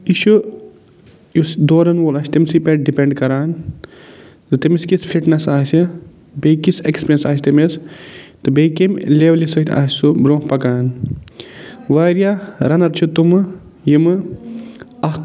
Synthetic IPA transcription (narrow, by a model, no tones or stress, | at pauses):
iʃu | jusd̪oːɾɐnʋoːlɐːsʲt̪imsiːpeʈ̚ɖipeɳɖkɐɾaːn | zɨt̪imiskisfʰiʈnɐsaːsi | bejkisekspɾjɐnsaːsʲt̪imest̪ɨbeikemleːʋlisɐt̪ʲʰa̰ːssubɾõːhpɐkaːn | ʋaːɾijaɾɐnɐɾt͡ʃʰut̪umɨ | jimɨ | ɐ